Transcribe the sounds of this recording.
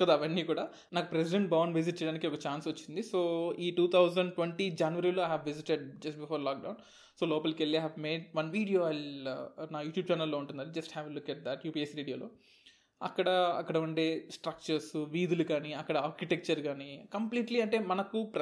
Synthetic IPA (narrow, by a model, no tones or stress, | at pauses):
kɐd̪aːʋɐnːiːkuːɽaː | naːkupɾes̬iɖeɳʈ̚bɐʋnʋis̬iʈ̚t͡ʃɛjɽaːnikiɔkɐt͡ʃaːnsɐt͡ʃːind̪isoːiːʈuːt̪ʰɐwzɐɳɖʈweɳʈid͡ʒaːnuʋɐɾiːloːɐjɦɛːʋʋiziʈeɖd͡ʒɐsʈbifʰoːɾlaːk̚ɖɐwn | soːlɔːpɐlkelːiajɦɛʋmeːɖ̚ʋɐnʋiːɽijo̞ːajlnaːjuːʈjuːb̚t͡ʃaːnɐlːoːuɳʈund̪ɐɽid͡ʒɐsʈhɛːʋlukːɐʈ̚d̪ɐʈjuːpiːesʋiːɖijoːlo̰ː | ɐ̰kːɐɽɐɐ̰kːɐɽɐuɳɖeːsʈɾɐk̚t͡ʃɐɾsʋiːd̪ulukaːniɐkːɐɽɐaːɾkiʈek̚t͡ʃɐɾɡaːnikɐmpliːʈliɐɳʈe̞ːmɐnɐkupɾ